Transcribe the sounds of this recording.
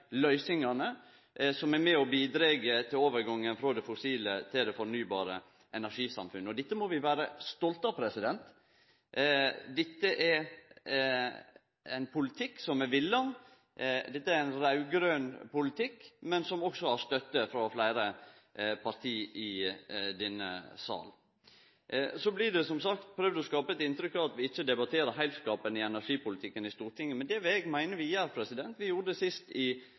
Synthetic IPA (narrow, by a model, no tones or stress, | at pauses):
lœʏsɪŋɑnə | sɔmæɾmɛɔbiːd̪ɾeːɡət̪ʰɪloːʋəɾɡɑŋːənfɾɑːd̪ɛfʊsiːlət̪ʰɪld̪ɛfɔɾnyːbɑːɾə | ʔɛnæɾʂiːsɑ̰mfʉnːəɔd̪ɪt̪ːəmɔʋɪʋæːɾəst̪ɔlt̪ɑpʰɾɛsɪd̪ɛnt̪ | d̪ɪt̪ːəʔɛɾ | æɪnpʰʊlɪt̪ʰɪkːsɔmɛʋɪlːɑn | d̪ɛt̪ːəæɾæɪnɾɑʉɡɾøːnpʊlɪt̪ʰɪkːmɛnsɔmɔksɔæst̪œt̪ːəfɾɑflæɪɾə | pʰɑɾt̪ʰiːɪd̪ɛnːə̰sɑ̰ːl | sɔblɪd̪ɛsɔmsɑkt̪̚pʰɾøːʋd̪əɔskɑːpəɛt̪ɪnt̪ɾʏkːɑʋɑt̪ʋɪɪçːəd̪ɛbɑt̪ʰeːɾəɾɦæɪt̪skɑːpənɪɛnæɾʂiːpʊlɪt̪ʰɪkːənɪst̪uːɾʈɪŋːəmɛnd̪ɛʋɛɡmæɪnəɾʋɪjæːɾpʰɾɛsɪd̪ɛnt̪ʋɪjuːɾəd̪ɛsɪst̪ɪ